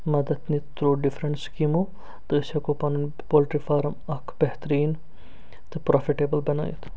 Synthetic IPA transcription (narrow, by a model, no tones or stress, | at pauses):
mɐd̪ɐd̪nit̪ɾoːɖifʰɾɐɳʈskimu | t̪ɨːsɐkopɐnun | poːlʈɾifaːɾmɐkʰb̥ɛht̪ɐɾiːn | t̪ɨpɾoːfiʈeːbəlbɐna̰ːj̰t̪ʰ